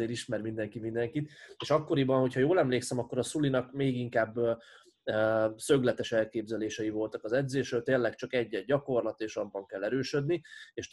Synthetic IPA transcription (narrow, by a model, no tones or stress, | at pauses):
eːɾiʃmɛɾmind̪ɛŋkimind̪ɛŋkit̪eːʃɒkːo̞ɾibɒnho̞chɒjoːlɛmleːksɛmɒkːo̞ɾɒsulinɒkmeːɡiŋkaːbː | sø̞ɡlɛt̪ɛʃɛlkeːbzɛleːʃɛjivo̞lt̪ɒkɒzɛd̪zeːʃølt̪eːlɛkt͡ʃɒkɛɟːɛɟːɒko̞rlɒt̪eːʃɒbbːɒŋkɛlːɛɾøːʃød̪nieːʃ